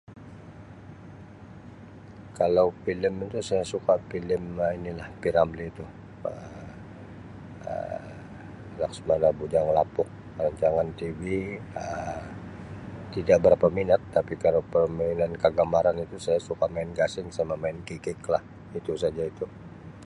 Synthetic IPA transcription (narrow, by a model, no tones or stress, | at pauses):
kalawfilɪmit̪usajasukapilɪmainilahpiɾambliːt̪u | ə | ə̰ | laksumalabud͡ʒaŋlapʊk̚ | aɲd͡ʒaŋant̪iviə | t̪idaʔ̚bəɾapaminat̪ːapikalawpəmainankəɡamaɾanit̪usajasukamaɪnɡasɪŋsamamaɪnkikɪklah | it̪usad͡ʒait̪u